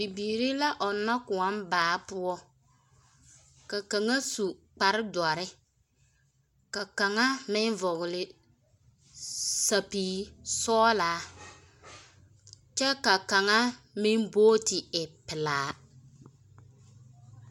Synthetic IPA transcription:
bi˨biː˨ɾi˦la˦ʔɔ˨nːa˦kʊ˨a˦mbaː˨˦pʊ˦ɔ˦ | ka˨ka˨ŋa˦su˨k͡pa˨ɾɪ˦dwa˨ɾɪ˦ | ka˨ka˨ŋa˦mɪ˦n˦vɔ˨ɣɪ˨lɪ˨ | sa˨piː˨˦sɔː˦laː˨˦ | t͡ʃɛ˦ka˨ka˨ŋa˦ | mɪ˦nboː˦tɪ˨ɪ˨pɪ˨laː˨˦

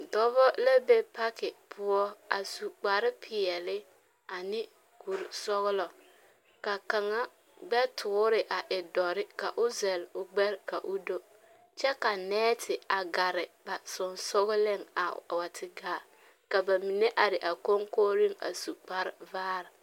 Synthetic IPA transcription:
dɔ˦vɔ˦la˦be˦pa˦kɪ˨pʰʊ˦ɔ˦a˨su˨k͡pa˨ɾɪ˦pʰɪ˨ɛ˨lɪ˦ | a˨nɪ˦ | ku˨ɾsɔ˦ɣʊ˦lɔ˨ | ka˨ka˨ŋa˦ | ɡ͡bɛ˦tʰʊ˨˦ɾɪ˨ʔa˨ʔɪ˨dɔ˨ɾɪ˦ka˨ʔʊ˦zɛ˨lʊ˨ɡ͡bɛ˦ɾka˨ʔʊ˦do˦ | t͡ʃɛ˦ka˨nɛː˦tʰɪ˨a˨ɡa˨ɾɪ˨ba˨sɔ˨nsɔ˦ɣʊ˦lɪ˦˨ŋa̰˨wa˨tʰɪ˨ɡaː˨ | ka˨ba˨mi˨ne˦ʔa˨ɾɪ˨ʔa˨ko˦ŋkoː˦ɾi˦ŋa̰˨su˨k͡pa˨ɾɪ˦vaː˦ɾɪ˨

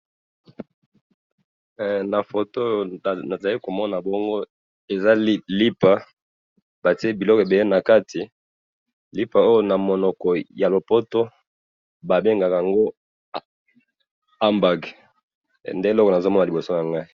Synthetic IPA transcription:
na˨fo˨to˦jo˨a˨za˨li˦ko˨mɔ˦na˨bɔ˦ŋɡo˦ | e˨za˦lli˦pa˨ | ba˨ti˦e˦bi˨lɔ˦ke˨be˨le˦na˨ka˦tʰi˨ | li˦pa˨o˦jo˦na˨mo˨nɔ˨kɔ˨ja˨lo˨po˦to˦ | ba˨be˦ŋɡa˨ka˨a˨ŋɡo˦ | a˦mba˨ɡ̰ | nde˦e˨lɔ˦kɔ˨na˨zo˦mɔ˦na˨li˨bo˨so˦ja˨ŋɡa˦i˦

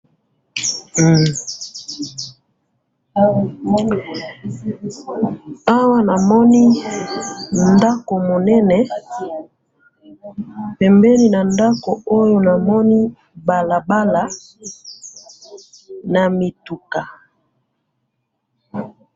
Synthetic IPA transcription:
a˦wa˦na˨mɔ˦ni˦ | nda˦ko˨mo˨nɛ˦nɛ˨ | pɛ˨mbɛ˦li˦˨na˨nda˦ko˨o˦jo˨na˨mɔ˦ni˦ | ba˨la˨ba˦la˨˦ | na˨mi˨tu˨ka˨

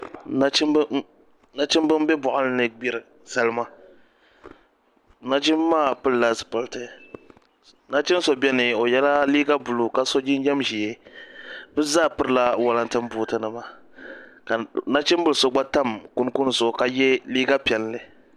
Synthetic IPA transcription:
na˦t͡ʃɪ˦m˦ | na˦t͡ʃɪ˦m˦bɨ˦m˦bɛ˦bʊ˨ʔʊ˦lne˦ɡ͡bi˦ɾɨ˨ | sa˦lɨ˦ma˦ | na˦t͡ʃɪ˦mː˦aː˦˨pɨ˦lla˦zɨ˨pɨ˨ltɨ˨ | na˦t͡ʃɪ˦n˦so˨bɛ˦nɨ˨o˨jɛ˦la˦liː˦ɡa˦bʊ˨lu˨ka˦so˦d͡ʒɪ˦n˦jɛ˦mʒi˨je˨ | bɨ˦zaː˦˨pɨ˦ɾɨ˦˨la˦wa˦la˦ntɨ˦m˦buː˨tɨ˨nɨ˨ma˨ | ka˨na˦t͡ʃɪ˦mbɨ˦lso˦ɡ͡ba˦ta˦˨mku˦nku˦n˦˨zo˨ka˦jɛ˦liː˦ɡa˦pɛ˨llɨ˨

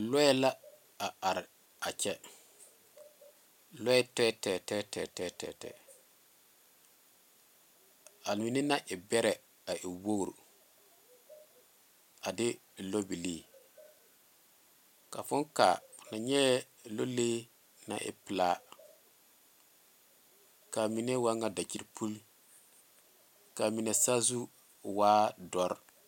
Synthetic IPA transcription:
lɔ˦ɛ˦la˦ | a˨a˨ɾ | a˨t͡ʃɛ˦ | lɔ˦ɛ˦tɛ˦tɛː˨tɛː˦tɛː˦tɛː˦tɛ̰˨tɛ̰ː˦˨ | a˨lmi˨nɪ˦na˦ʔɪ˨bɛ˦ɾɛ˨ | a˨ʔɪ˨wo˦ɡɾ | a˨dɪ˦˨ | lo˦bi˨leː˦ | ka˨fʊ˦nka̰˨na˨ɲɛ˦˨ | lo˦leː˦ | na̰˨ʔɪ̰˨pɪ˨la˦ | ka˨mi˨ne˦wa˦ŋa˦da˨ki˦ɾpʰu˦l | ka˨mi˨nɛ˨sa˦zu˦ | waː˦dɔ˦ɾ

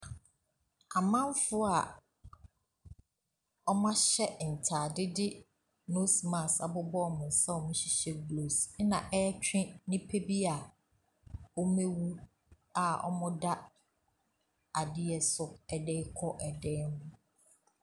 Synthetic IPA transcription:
a˨mã˦m˦fʊ˦a˨ | ɔ˦mã˦ɕɛ˦n̩˨tʰaː˨dɪ˦dɪ˦ | no˦sma˨sa̰˨bʊ˦bɔ˦˨mʊ̃˨n˨sa˦ɔ˨mĩ˦ɕi˨ɕɛ˦blo˨snã˨ʔɛ˦t͡ɕᶣɪ̃˦nɪ̃˦pʰe˦bi˦a˨ | ɔ˦mẽ˦wu˦ | a˨ɔ̰˦mʊ̃˦da˦ | a˨dɪ˦ɛ˨sʊ˨ɛ˨dɛː˦kʰɔ˦ʔɛ˨dɛ˦nʊ̃˦

